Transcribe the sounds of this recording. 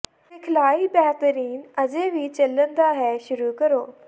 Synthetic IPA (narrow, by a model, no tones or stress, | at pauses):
ʋɪkʰlaːiːbɛːɦt̪əɾiːnəd͡ʒẽːʋiːt͡ʃələnd̪aːɦɛːʃʊɾuːkəɾoː